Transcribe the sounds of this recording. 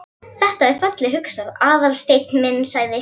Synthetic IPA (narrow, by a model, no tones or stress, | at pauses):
θɛht̪aɛɾ̥fœt̪lɪɦʏksaðaːðalst̪ejt̪mɪnːsaːɣðɪ